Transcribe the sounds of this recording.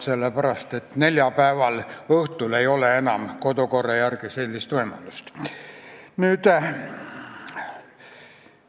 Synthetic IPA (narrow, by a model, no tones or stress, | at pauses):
selːepæɾɑst̪et̪ne̞lʲjɑpæevɑlɤht̪ule̞jo̞leenɑmko̞d̪oko̞rːɑjærɡ̥ise̞lʲːist̪vɤjmɑ̰lust̪ | nyːt̪